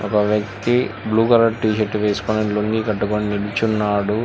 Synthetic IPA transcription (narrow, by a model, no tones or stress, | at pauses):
ɔkɐʋjɐk̚t̪ibluːkɐɾɐʈʈiːʃeʈːuʋeːsu̥konɐnloŋɡikɐʈːukoniniɽit͡ʃunːaːɽu